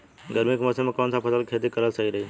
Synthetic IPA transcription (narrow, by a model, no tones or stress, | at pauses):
ɡəɾmikməsẽmɐkaːnsãpʰɐsəlkʰeːd̪ikɐɾəlsɐɦiɾɐɦe